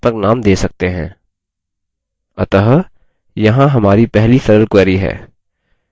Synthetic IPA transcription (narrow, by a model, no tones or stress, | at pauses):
pɐɾnaːmd̪eːsɐk̚t̪eɦɛ̰̃ː | ɐt̪əɦ | jɐɦãɦɐmaːɾipɛɦlisɐɾəlkwɛːɾiɦɛ̰ː